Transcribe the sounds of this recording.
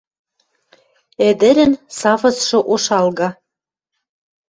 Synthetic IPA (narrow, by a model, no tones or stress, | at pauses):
ĕd̪ɘ̆ɾɘ̆nsɑfɤ̆sʃɤ̆ʔoʃɑlɣɑ